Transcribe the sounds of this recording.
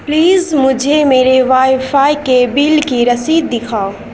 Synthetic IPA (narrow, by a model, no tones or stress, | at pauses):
pliːzmʊd͡ʒʱemeːɾeʋaɪjpʰajkebilkiɾəsiːd̪ːɪkʰaːo